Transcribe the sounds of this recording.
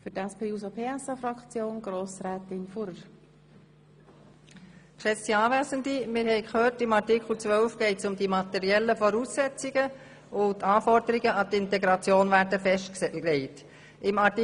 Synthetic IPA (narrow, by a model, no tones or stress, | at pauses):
fʏtæspʰeːuːsopʰeːæsɑfɾɑkt͡sjoːnɡ̥ɾoːsɾɛːt̪ɪnfuɾə | kʃɛt͡stiɑːvæːzəndimɪːɾhɛɪkhøːtɪmɑrtɪkχl̩t͡sʋœlfɡ̥ɛɪtsʊmd̪imɑt̪ɛɾiɛlːəfɔɾuːsːɛt͡sɪɡə | ʊt̪ːɑːfɔɾdəɾiɡəʔɑtɪntɛɡɾɑt͡sjoːnvæːɾdəfɛʃtɛlɛɪt | ɪmɑt